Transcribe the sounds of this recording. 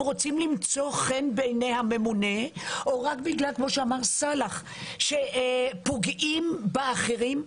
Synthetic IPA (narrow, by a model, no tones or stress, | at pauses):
ʁot͡simlimt͡so̞χenbejnejhame̞mune̞ʔoʁakbiɡlalkmo̞ʃeamaʁsalaχ | ʃepoɡimbeaχeʁim